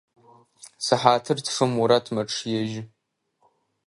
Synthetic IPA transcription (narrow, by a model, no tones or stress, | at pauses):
sɨħaːtʰɨrtʰfɨmuɾɐtʰmɐʈ͡ʂʰjɛʒɪ